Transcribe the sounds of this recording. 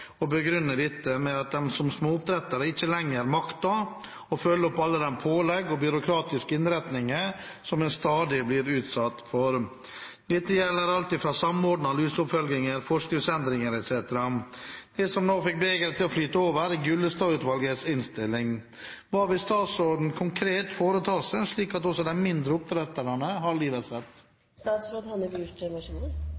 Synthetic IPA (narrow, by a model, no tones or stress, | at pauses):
ɔbəɡɾʏnːəd̪ɪt̪ːəmɛɑt̪̚d̪ɛmsɔmsmoːʊp̚d̪ɾɛt̪əɾəɪt͡ʃːəlɛŋːəɾmɑkt̪ɑ | ɔfœlːəɔpːɑlːəd̪ɛnpʰoːlɛɡːɔbʏɾʊkʰɾɑːt̪ɪskəɪnɾɛt̪nɪŋə | sɔmɛnst̪ɑːd̪ɪblɪɾʉːt̪sɑt̪ːfɔɾ | d̪̥ɪt̪ːəjɛlːəɾɑlt̪ɪːfɾɑsɑmɔɖnɑlʉːsʊpfœlɡ̪ɪŋəɾfɔʂkɪsɛnd̪ɾɪŋəɾɛt̪seːt̪əɾɑd̪̥ɛsɔmnoːfɪk̚beːɡəɾət̪ʰɪlɔflyːt̪əoːʋəɾɛɡʉlːəst̪ɑːʉːt̪ʋɑlɡət̪sɪnst̪ɪlːɪŋ | ʋɑːʋɪst̪ɑːt̪sɾoːd̪n̩kʰʊŋkʰɾeːt̪foːɾət̪ʰɑːsəʂɭiːkɑt̪ɔsɔd̪æɪmɪnd̪ɾəʊpɾɛt̪ːəɾɑnəɦɑɭiːʋət̪sɛt̪ː | st̪ɑːt̪sɾoːd̪hɑnəbuʈmɑʂuːnə